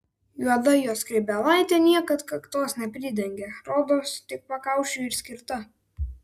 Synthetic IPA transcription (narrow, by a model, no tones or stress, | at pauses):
juɔd̪ɐjoːskɾʲɛɪbʲɛlˠɑˑɪt̪ʲɛːnʲiɛkɐt̪kɐkt̪oːsnʲɛpʲɾʲɪːd̪ʲɛŋʲɡʲeːɾoːd̪oːst̪ʲɪk̚pɐkɑˑʊʃʲʊɪɾsʲkʲɪɾt̪ɐ